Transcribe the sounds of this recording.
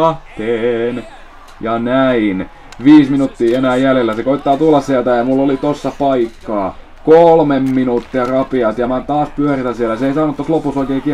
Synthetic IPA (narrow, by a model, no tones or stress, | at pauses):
ɑt̪eːn | jɑnæin | ʋiːsminut̪ːiːenæːjjælelːæsekoit̪ːɑːt̪ulːɑssiælt̪æjɑmulːolit̪osːɑpɑikːɑː | kolmemːinuːt̪ːiɑrɑpiɑt̪jɑmæt̪ɑːspyørit̪ænsiælːæseisɑnut̪ːoslopusoikeːki